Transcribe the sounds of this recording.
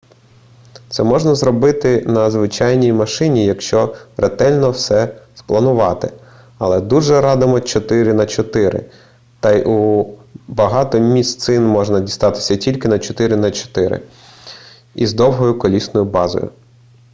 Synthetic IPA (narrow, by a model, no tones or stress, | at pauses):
t̪sɛmɔʒnɐzɾɔbɪt̪ɪnɐzʋɪt͡ʃɑjnʲijmɐʃɪnʲijɐkʃt͡ʃɔrɛt̪ɛlʲnɔwsɛsplˠɐnʊʋɑt̪ɪ | ɐlˠɛd̪uʒɛɾɑd̪ɪmɔt͡ʃɔt̪ɪɾɪnɐt͡ʃɔt̪ɪɾɪ̰ | t̪ɑjʔu | bɐɦɑt̪ɔmʲist̪sɪnmɔʒnɐdʲist̪ɑt̪ɪ̥sʲɐtʲilʲkɪnɐt͡ʃɔt̪ɪɾɪnɐt͡ʃɔ̥t̪ɪɾɪ̰ | izd̪ɔwɦɔjʊkɔlʲisnɔjʊbɑzɔ̰jʊ̰